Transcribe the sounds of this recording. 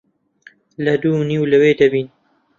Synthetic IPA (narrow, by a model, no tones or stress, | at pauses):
lɐd̪uːniːwlɐweːd̪ɐbiːn